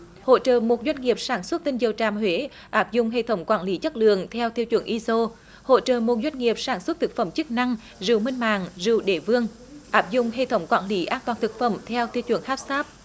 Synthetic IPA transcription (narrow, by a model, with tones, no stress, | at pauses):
ho̰˧˨t͡ɕə̰ː˧˨mo˨˩t̚zwa˧jŋ̟ŋi˨˩əp̚saː˧˩nswə˦˥t̚t̪ï˧ŋzə˨˩wt͡ɕaː˨˩mhwe˨˦ | ʔaː˦˥p̚zʊ̰˧˨ŋ͡mɦḛ˧˨t̪ʰə˨˦wŋ͡mkwaː˧˩nli˨˦t͡ɕə˦˥t̚lɨ̰˧˨əŋt̪ʰɛ˧wt̪ʰi˧əwt͡ɕwə̰˧˩ənʔi˧zo˧ | ho̰˧˨t͡ɕə̰ː˧˨mo˨˩t̚zwa˧jŋ̟ŋi˨˩əp̚saː˧˩nswə˦˥t̚t̪ʰɨ˨˩k̚fə˧˩mt͡ɕɨ˦˥k̚na˧ŋ | zɨ̰˧˨wmï˧ŋ̟ma̰ː˧˨ŋzɨ̰˧˨wɗe˧˩vɨ˧əŋ | ʔaː˦˥p̚zʊ̰˧˨ŋ͡mɦḛ˧˨t̪ʰə˨˦wŋ͡mkwa̰ː˧˩nli˨˦ʔaː˧nt̪waː˨˩nt̪ʰɨ˨˩k̚fə˧˩mt̪ʰɛ˧wt̪ʰi˧əwt͡ɕwə˧˩nhaː˦˥p̚saː˦˥p̚